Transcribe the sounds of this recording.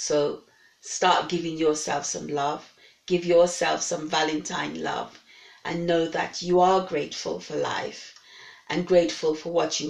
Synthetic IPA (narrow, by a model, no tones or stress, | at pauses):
soʊ | stɑɹt̚ɡ̥ɪvɪ̃ŋjə˞sɛ̰lˠfsʌ̃mlʌv̥ | ɡ̥ɪvjə˞sɛ̰lˠfsʌ̃ɱvælˠɨ̃ntʰã̰ɪ̃nlʌ̰v | ʔɨ̰̃nːoʊðɨ̰t͡ʃɨə˞ɡɹeɪtfə̰l̩ˠfə˞la̰ɪfʔɨ̃nɡɹeɪtfəlˠfə˞wʌt͡ʃɨ